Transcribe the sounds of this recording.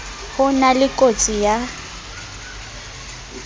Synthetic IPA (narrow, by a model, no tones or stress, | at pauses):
hʊnalɪkʼot͡sʼija